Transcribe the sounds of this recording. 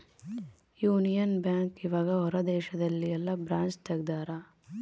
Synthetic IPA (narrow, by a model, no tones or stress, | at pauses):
juːnijɐnbjaːŋkiʋaːɡɐɦɔɾɐd̪ɛːʃɐd̪ɐlːiɐlːɐbɾaːnt͡ʃt̪ɐɡd̪aːɾɐ